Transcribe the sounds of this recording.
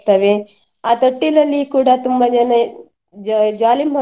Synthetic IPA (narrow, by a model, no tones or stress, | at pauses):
t̪ɐʋe | aːt̪oʈːilɐlːikuːɽɐt̪umbɐd͡ʒɐnɐ | d͡ʒaːlimɦɐ